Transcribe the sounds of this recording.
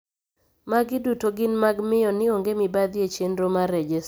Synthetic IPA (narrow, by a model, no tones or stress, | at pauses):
maɡɪdutoɡɪnmaɡmɪjɔnɪoŋɡemɪbad̪jet͡ʃendɾomaɾɛd͡ʒɛs